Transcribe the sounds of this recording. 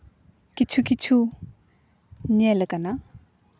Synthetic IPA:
kit͡ʃʰukit͡ʃʰu | ɲeləkana

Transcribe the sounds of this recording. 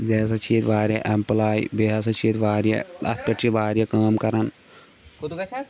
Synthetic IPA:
d͡ʒeːs̬ɐt͡ʃʰiːt̪ʋaːɾjɐʔɐmplaːj̰beɦɐs̬ɐt͡ʃʰiːt̪ʋaːɾjɐ̰ɐ̰t̪ʰpʲɐʈt͡ʃʰiʋaːɾjɐkaːmkɐɾɐn

